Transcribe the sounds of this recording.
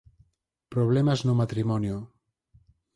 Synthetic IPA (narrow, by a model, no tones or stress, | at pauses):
pɾoβ̞lɛmaznomat̪ɾimɔnjo